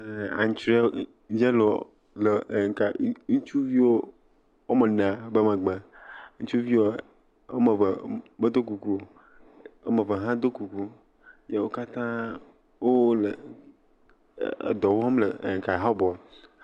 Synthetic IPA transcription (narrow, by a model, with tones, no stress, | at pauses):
a̰˨ɲ˨t͡ʃɾe˦ | d͡ʒe˦lo˨ | le˨ka˨ŋu˦t͡ʃu˦vi˦wo˦ | wo˦me˨nã˨be˦me˨ɡ͡bã˨ŋũ˦t͡ʃu˦vi˦wo˦ | o̰˦me˨bme˦d̪o˦ku˨ku˦o˨ | o̰˦me˨be˨ɦã˦d̪o˦ku˨ku˦ | je˦wo˦ka˦t̪ã˦ | wo˦le˨ | d̪ɔ˨wo˦ã˦mle˨ŋ̩˨ka˨ɦa˦bɔ˨